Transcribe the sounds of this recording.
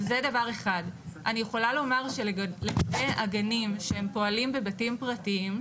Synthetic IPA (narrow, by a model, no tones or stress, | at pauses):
zedavaʁe̞χadʔa̰nijeχo̞lalo̞maʁʃleɡabea̰ɡanimʃehe̞mpo̞alimbe̞batimpʁatiim